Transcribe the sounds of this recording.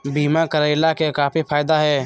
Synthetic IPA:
biːmakəɾəɪlakekaːfipʰaːɪd̪aɦɛː

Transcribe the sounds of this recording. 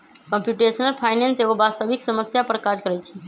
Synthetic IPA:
kəmpjuʈesənəlpʰajnenseɡobast̪əbiksəməsjapəɾkad͡ʒkəɾɛjt͡ʃʰɛ̥

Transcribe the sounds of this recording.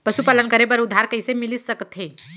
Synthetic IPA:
pəʃupaːlənkəɾebəɾʊd̪ʱːaɾkəɪsemɪlisəkt̪ʰe

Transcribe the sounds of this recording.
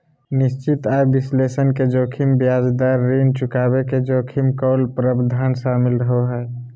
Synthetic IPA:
nɪst͡ʃit̪ajbɪslesənked͡ʒoːkʰimbjaːd͡ʒd̪aɾːint͡ʃʊkabeked͡ʒoːkʰimkɔlpɾəbd̪ʱaːnʃamɪlɾəɦoɦɛː

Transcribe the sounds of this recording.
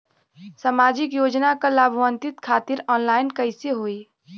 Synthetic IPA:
samad͡ʒikjod͡ʒnakəlabʱʋənt̪it̪kʰat̪iɾɔnlaɪnkəɪseɦoi

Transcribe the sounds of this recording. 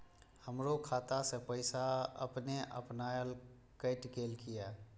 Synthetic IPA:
həmɾokʰaːt̪asepəɪsaə̰pneʔə̰pnaːjəl | kəːʈkeːlkɪjaː

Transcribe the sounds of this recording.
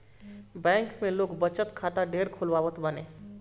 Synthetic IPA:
bɛ̃ːŋkmẽloːɡbət͡ʃət̪kʰaːt̪aɖeːɾkʰʊlʋaːʋət̪ʰbənẽː

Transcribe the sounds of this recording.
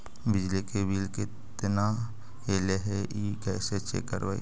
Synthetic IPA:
bɪd͡ʒlikebiːlkɪ | t̪na | ɦeːleɦɛikɛːset͡ʃḛkə̰ɾbaḭ

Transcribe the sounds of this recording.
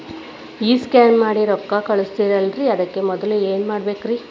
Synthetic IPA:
iːskaːnmaːɽiɾɔkːakɐɭust̪iɾɐlɾiɐd̪ɐkːemɔd̪ɐlueːnmaːɽbeːkɾi

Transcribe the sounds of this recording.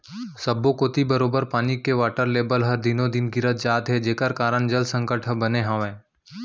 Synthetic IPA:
sɐbːokoːt̪ibɐɾoːbəɾpaːnikːeʋaːʈəɾleːbəlɦɐɾd̪ɪnõd̪ɪnɡɪɾət̪̚d͡ʒaːd̪ɦɛd͡ʒeːkəɾkaːɾəɳd͡ʒɐlsə̃ŋkəʈʰəbɐneɦãʋẽː

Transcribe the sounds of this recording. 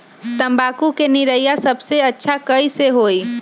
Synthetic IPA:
t̪əmbakukeniɾəjasəbʱseətːʃʰakəjseɦoj

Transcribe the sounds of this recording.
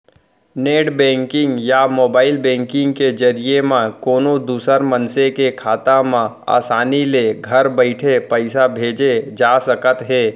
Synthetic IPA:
neːʈbɛ̃ːŋkɪ̃ŋɡjamoːbaːɪlbɛ̃ːŋkɪ̃ŋɡked͡ʒɐɾiemãkoːnod̪uːsəɾmənsekekʰaːt̪amã | a̰ːsaːnileɡʱɐɾbəɪʈʰepəɪsabʱeːd͡ʒed͡ʒaːsəkət̪ɦeː

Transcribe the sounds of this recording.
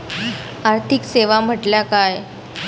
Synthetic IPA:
aɾt̪ʰikseʋam̤əʈljakaj

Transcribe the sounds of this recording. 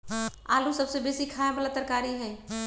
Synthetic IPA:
aːlusəbsebeːsikʰaːẽbəlat̪əɾkaːɾiɦɛː

